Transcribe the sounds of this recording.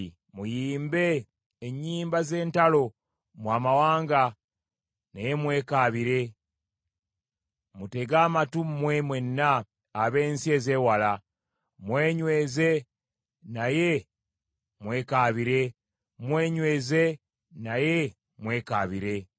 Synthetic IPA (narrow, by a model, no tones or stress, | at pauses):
mujiːmbe̞ː | ɲːiːmbaze̞ːntalo̞ | mwaːmawaːŋɡa | naje̞mwe̞ːkaːβiɾe̞ | mute̞ɡaːmatummwe̞mwenːaː | βe̞ːnsie̞ːzeːwala | mweːɲwe̞ːze | naje̞ | mwe̞ːkaːβiɾe̞ | mwe̞ːɲwe̞ːze | naje̞ | mwe̞ːkaːβiɾe̞